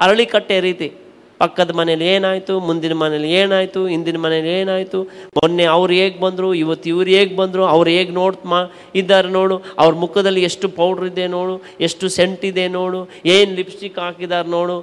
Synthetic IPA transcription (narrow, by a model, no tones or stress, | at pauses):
ɐɾɐɭikɐʈːeːɾiːt̪i | pɐkːɐd̪ɐmɐneleːnaːjt̪umund̪inɐmɐneleːnaːjt̪uind̪inɐmɐneleːnaːjt̪umɔnːeɐʋɾueːɡbɐnd̪ɾuiʋɐt̪ːiʋɾeːɡbɐnd̪ɾuɐʋɾe̞ːɡno̞ːɽt̪ma | id̪ːaːɾeno̞ːɽuɐ̰ʋɐɾɐmukʰɐd̪ɐlːieʂʈupɐwɽɐɾid̪eno̞ːɽu | eʂʈuseɳʈid̪e̞noːɽueːnlipsikaːkid̪aːɾeno̞ːɽu